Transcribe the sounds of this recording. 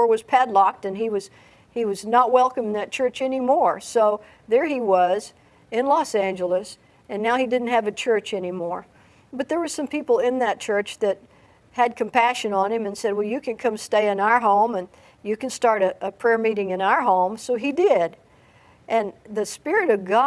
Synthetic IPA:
ɹwʌz̥pʰædˡlɑk̚tɨ̃niwʌz̥ | iwʌznət̚wɛlˠkə̃mɪ̃ŋðɨt̚t͡ʃʰɜ˞t͡ʃɛnimɔɹsoʊ | ðə˞iwʌz | ɪ̃nlɔsæ̃nd͡ʒəl̩ˠəs | ɨ̃nːaʊidɪdⁿn̩t̚hɨvɨt͡ʃʰɜ˞t͡ʃɛnimɔɹ | bʌt̪̚ðə˞wʌz̥sʌ̃mpʰipl̩ˠɪ̃nðɨt̚t͡ʃʰɜ˞t͡ʃðɨt̚ | hɨd̚kʰɨ̃m̩pæʃɨ̃nə̃nɨ̃mɨ̃nsɛd̚wɛlˠjɨkʰɨ̃nkʰʌ̃msteɪɨ̃naʊə˞ɦõʊ̃mɨ̃n | jɨkɨ̃n̩stɑɹɾɨʔəpʰɹ̥ɛɹmiɾɪ̃ŋɨ̃naʊə˞ɦõʊ̃msoʊidɪd | ʔɨ̃nðɨspɪɹɨɾʌvɡɑ

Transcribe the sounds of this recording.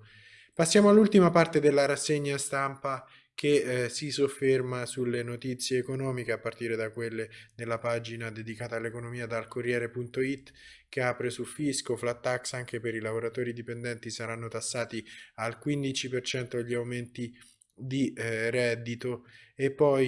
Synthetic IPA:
pasːjaːmoalːult̪imapart̪ed̪elːaɾasːeɲːast̪ampa | kesisofːermasulːenot̪it̪sːjeːkonɔːmikeapːart̪iːɾed̪akwelːed̪elːapad͡ʒinad̪ed̪ikaːt̪aːlːekonomiːad̪alkorːjɛːɾepunt̪oit̪ː | k̟eapɾesulfiskoflat̪ːaksaŋkepeɾilavoɾat̪oːɾid̪ipend̪ɛnt̪isaɾanːot̪asːaːt̪ialkwind̪it͡ʃipert͡ʃɛnt̪oʎːiawment̪i | d̪irɛd̪ːit̪oepːɔj

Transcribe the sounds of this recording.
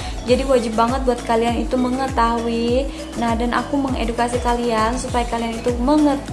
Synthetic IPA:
d͡ʒadiwad͡ʒɪp̚ːaŋət̪̚buat̪̚kalianit̪uməŋət̪aui | nahdanʔa̰kuməŋedukasikaliansupajakalianit̪uməŋə

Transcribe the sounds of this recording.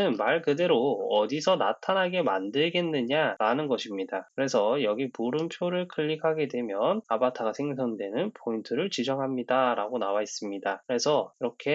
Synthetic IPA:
ɯnmaɭkɯde̞ɾoʌdisʰʌna̰tʰanɦaɡe̞ma̰ndɯɭɡe̞nːɯɲaɾanɯnɡʌɕʰimɲidakɯɾe̞sʰʌjʌɡipuɾɯnpʰjoɾɯɭkʰɯʎːikʰaɡe̞dwe̞mjʌnap͈atʰaɡasʰe̞ŋsʰʌŋdwe̞nɯnpʰointʰɯɾɯɭt͡ɕid͡ʑʌŋɦamɲidaɾaɡonawais͈ɯmɲidakɯɾe̞sʰʌiɾʌkʰe̞

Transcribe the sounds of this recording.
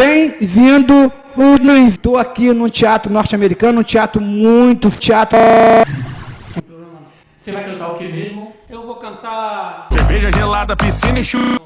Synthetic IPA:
b̥ẽj̃vĩd̪ʊ | unɐ̃ist̪owakinũt͡ʃiat̪ɾʊnɔɾt͡ʃiameɾikɐ̃nʊũt͡ʃiat̪ɾʊmũj̃t̪ʊt͡ʃiat̪ɾ | sevajkɐ̃t̪aukemeʒmʊewvokɐ̃nt̪aseveʒɐʒelad̪ɐpisĩniʃu

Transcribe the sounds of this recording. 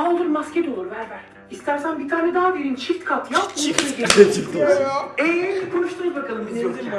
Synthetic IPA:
aolˠuɾmascɛd̪oːlˠuɾvæɾvæɾ | ist̪ʰæɾsænbit̪ʰaːnɛd̪aɦad̪eɾint͡ʃʰiɾt̪kʰat̪jaunekʰenɛɟeet͡ʃʰikt̪ieeɛkʰonuʃt̪unbakʰalˠɯmbit̪ʰijoa

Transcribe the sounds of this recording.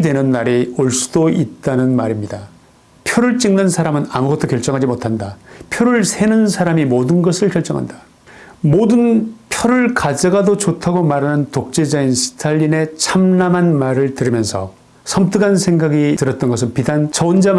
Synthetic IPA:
dwe̞nɯnːaɾioɭs͈u̥doit̚t͈anɯnmaɾimɲida | pʰjoɾɯɭt͡ɕ͈iŋnɯnsʰaɾamɯna̰muɡʌt͈̚ʰokjʌɭt͡ɕ͈ʌŋɦad͡ʑimotʰandapʰjoɾɯɭsʰe̞nɯnsʰaɾamimodɯnɡʌsʰɯɭkjʌɭt͡ɕ͈ʌŋɦa̰nda | modɯnpʰjʌɾɯɭkad͡ʑaɡadot͡ɕotʰaɡomaɾɦanɯntok̚t͡ɕ͈e̞d͡ʑainsʰɯ̥tʰaʎːine̞t͡ɕʰamnamɦanmaɾɯɭtɯɾɯmjʌnsʰʌ | sʰʌmt͈ɯɡansʰe̞ŋɡaɡitɯɾʌt̚t͈ʌnɡʌs̬ʰɯnpidant͡ɕʌnd͡ʑam

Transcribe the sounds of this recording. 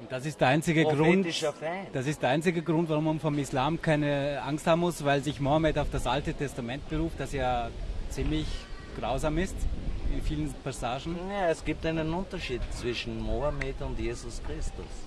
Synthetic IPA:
ʊnt̚d̥asɪstd̥ɛɐaɪnt͡sɪɡəʁʊntd̥as̬ɪstd̥ɛɐʔaɪnt͡sɪɡəɡʁʊntv̥aʁʊmanfɔmɪslaːmkʰaɪnəʔaŋsthaːbm̩mʊsvaɪlzɪçmoameːtaʊfd̥asʔaltətʰɛstamɛnt̚b̥əʁuːft̚d̥asjaːt͡siːmlɪçɡ̥ʁaʊzaːmɪstɪnfiːlənpʰasaːʒn̩aɛsɡ̥iːp̚taɪnənʊntɐʃiːtt͡sv̥ɪʃn̩moametʊntjeːzʊskʁ̥ɪstʊ̰s

